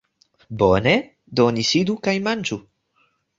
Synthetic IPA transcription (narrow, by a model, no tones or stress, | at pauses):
bone | donisidukajmand͡ʒu